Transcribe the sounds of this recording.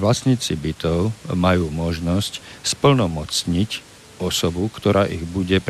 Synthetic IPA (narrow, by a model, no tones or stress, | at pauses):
ʋlasɲiːt͡sibit̪ɔʊmajuːmɔʒnɔscspl̩nɔmɔt͡sɲic | ɔsɔbukt̪ɔɾʔaːʔiɣbuɟɛp